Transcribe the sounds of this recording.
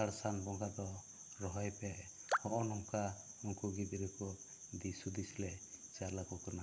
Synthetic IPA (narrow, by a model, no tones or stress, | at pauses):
aɽsanbɔŋɡad̪ɔ | ɾɔɦɔjpɛ | hɔʔɔnɔŋkamɔŋkuɡid̪iɾɛkɔ | d̪isud̪isilɛt͡ʃaɾlakɔkɔna